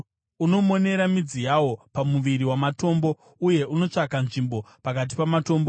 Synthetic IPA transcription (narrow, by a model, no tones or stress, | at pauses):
uno̞mo̞ne̞ɾamid͡zijawo̞pamuʋiɾiwamato̞mbo̞ | uje̞ʔuno̞t͡ʂakanʐimbo̞pakat̬i̥pamato̞ːmbo